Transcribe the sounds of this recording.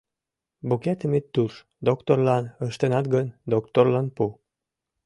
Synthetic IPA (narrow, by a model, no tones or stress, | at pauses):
bukʲæt̪əmet̪ːuʃ | d̪okt̪orlɑnəʃt̪enɑt̪ɡənd̪okt̪orlɑnpu